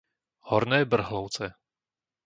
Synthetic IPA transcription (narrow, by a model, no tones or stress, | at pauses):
hɔɾnɛːbr̩ɦlowt͡sɛ